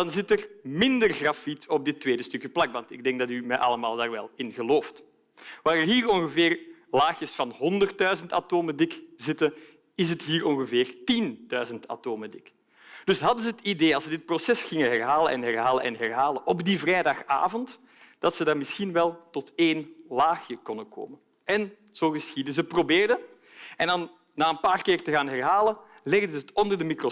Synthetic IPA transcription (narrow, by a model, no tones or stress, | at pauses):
dɑnzɪtərmɪndərɣrafitɔb̚dɪtweːdəstɵkjəplɑkʋɑntɪɡ̚dɛŋɡ̚dɑtymɛʔɑ̰lˠəmaːlˠdaːrʋɛlˠɪnɣəloːft | ʋaːɾərɦiːɹɔŋɣəvɪːrlaːxəsfɑnɦɔndərt̚dœɥzənta̰toːmədɪkzɪtə | ɪs̬ətɦiːɹɔŋɣəvɪːrtindœːɥzəntʰa̰toːmədɪk | d̥ɵsɦɑdənzəɦətideːɑlˠsədɪt̚prosɛsxɪŋəɦɛrɦaːləʔɛ̰nɦɛrɦaːləʔɛ̰nɦɛrɦaːləʔɔbdivrɛjdɑxa̰ːvɔnt | d̥ɑtsədarmɪsxinʋɛlˠtɔteːnlaːxjəkɔndəkʰo̰ːmən | ʔɛn | z̥oːɣəsxidəzəprobeːrdə | ɛndɑnː | aːənpaːrkɪːrtəɣaːnɦɛrɦaːlə | lɪɣdəətɔndərdəmikro